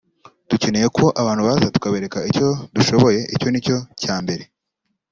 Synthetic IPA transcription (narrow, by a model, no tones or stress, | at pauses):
d̥uce̞ne̞je̞ko̞ʔaβaːnhuβaːzatu̥kaβeɾe̞kaico̞duʃo̞βo̞je̞ʔico̞nico̞caːmbe̞ɾe̞